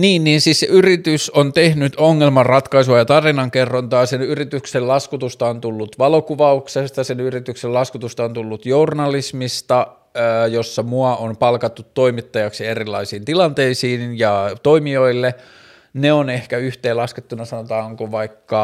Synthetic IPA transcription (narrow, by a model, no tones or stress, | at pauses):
niːnːiːnsiːsseʔyrit̪ysont̪ehnyt̪oŋːelmɑrrɑt̪kɑisuɑjɑt̪ɑrinɑŋkerːont̪ɑːsenyrit̪yksellɑskut̪ust̪ɑont̪ulːut̪ʋɑlokuʋɑuksest̪ɑsenyrit̪ykselɑskut̪ust̪ɑont̪ulːut̪jornɑlismist̪ɑ | josːɑmuɑompɑlkɑt̪ːut̪ːoimit̪ːɑjɑksierilːɑisiːnt̪ilɑnt̪eisiːnjɑt̪oimioilːe | neonehkæyht̪eːlɑsket̪ːunɑsɑnot̪ɑːŋkoʋɑikːɑ